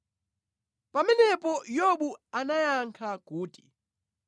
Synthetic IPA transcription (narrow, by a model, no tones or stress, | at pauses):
pʼaminɛpʼɔjoɓuanajaŋkʰaɡ̥ʱuːdʼi̥